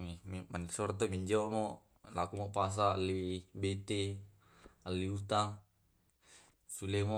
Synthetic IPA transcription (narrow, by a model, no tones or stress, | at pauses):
immanisɔɾt̪omiɲd͡ʒomo | lakumopas̬aːlːibet̪e | alːiut̪aŋ | sulemo